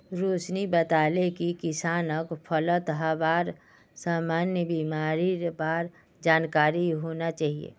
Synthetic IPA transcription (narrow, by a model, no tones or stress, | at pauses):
ɾoːt͡ʃnibət̪aːlekikɪsaːnəkpʰələt̪ɦabaːɾ | saːmaːnjəbiːmaːɾibaːɾ | d͡ʒaːnkaːɾiɦoːnat͡ʃaːɦiḛː